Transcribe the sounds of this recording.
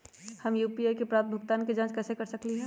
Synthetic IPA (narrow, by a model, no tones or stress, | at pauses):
hɐmjuːpiaːjkepɾaːpt̪̚bʱʊɡt̪aːnked͡ʒãːt͡ʃkɛːsekɐɾsɐkliɦɛ